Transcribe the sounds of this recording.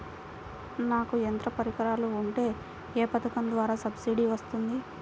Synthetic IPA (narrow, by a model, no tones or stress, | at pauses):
naːkuent̪ɾɐpɐɾikɐɾaːluuɳʈe̞ː | eːpɐt̪ɐkɐnd̪ʋaːɾaːsɐbsiːɖiʋɐst̪und̪i